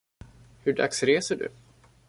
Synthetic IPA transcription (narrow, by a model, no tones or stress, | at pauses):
hɵɖa̰ksɾeːsəɖɵ̰